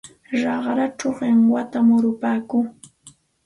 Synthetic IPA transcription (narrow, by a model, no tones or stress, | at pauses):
ɾɑχɾaʈ͡ʂawɢɪŋwat̪amʊɾʊpaːkuː